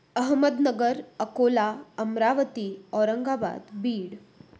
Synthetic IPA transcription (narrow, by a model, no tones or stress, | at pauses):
əɦməd̪nəɡəɾəkolaəmɾaʋət̪iːɔɾəŋɡaba̰d̪biːɽ